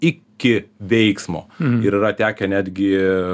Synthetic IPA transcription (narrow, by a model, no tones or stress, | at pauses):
ɪkʲɪʋʲɛɪksmo̰ːɪɾɪɾɐt̪ʲæːkʲɛnʲæːd̪ʲɡʲɪ